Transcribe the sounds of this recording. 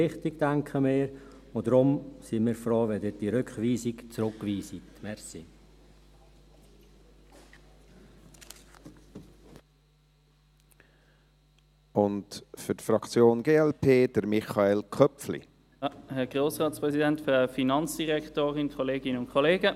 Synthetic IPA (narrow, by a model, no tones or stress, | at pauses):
ɪχtɪɡd̥æŋkχəmɪːɾod̥ɾʊmsimɪːɾfroːʋɛdɪd̥iɾʏkχʋiːsikt͡sɾʊkʋiːsitmɛɾsi | ʊntfʏɾtfɾɑkt͡sjoːnɡeːɛlpʰeːd̥əɾmɪχɑeːlkʰœpflḭ | hɛɡʁoːsʁɑːtspʁɛsidɛntfʁəfinɑnt͡sd̥iʁɛktoːʁɪnkʰoleːɡɪnəʊnkʰoleːɡə